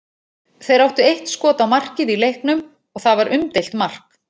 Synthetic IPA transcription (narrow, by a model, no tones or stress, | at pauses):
θejɾawht̪ʏejht̪skɔːt̪awmar̥cɪðilejhknʏm | ɔɣθavaɾʔʏmt̪ejl̥t̪mar̥k